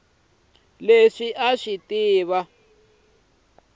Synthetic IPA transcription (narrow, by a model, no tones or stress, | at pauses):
leʂiʔaʂitiːβa